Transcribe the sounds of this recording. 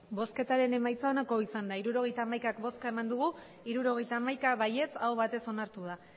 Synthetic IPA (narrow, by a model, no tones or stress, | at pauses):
bo̞ske̞t̪aɾe̞ne̞majt͡saonako̞isand̪aiɾuɾo̞ɣ̞e̞jt̪aːmajkakbo̞skae̞mand̪uɣ̞u | iɾuɾo̞ɣ̞e̞jt̪aːmajkaβaje̞t͡sawβat̪e̞so̞naɾt̪uð̞a